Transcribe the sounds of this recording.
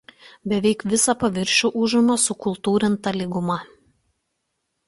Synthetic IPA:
bʲɛʋʲɛɪkʋʲɪsɐpɐʋʲɪɾʲʃʲuʔʊʒʊnoːsʊkʊlˠt̪uːɾʲɪnt̪ɐlʲiɡʊmɐ

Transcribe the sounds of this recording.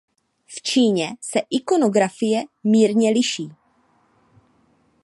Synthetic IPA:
ft͡ʃiːɲɛsɛʔɪko̞no̞ɡɾafɪjɛmiːɾɲɛlɪʃiː

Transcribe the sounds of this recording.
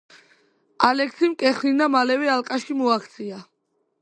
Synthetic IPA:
alɛkʰsimkʼɛχlinamalɛvɛalkʼaʃimɔakʰt̪sʰia

